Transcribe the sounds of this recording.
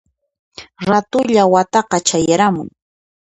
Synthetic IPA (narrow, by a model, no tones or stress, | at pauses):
ɾat̪ʊʎawat̪ɑqɑt͡ʃajaɾamʊ̰ŋ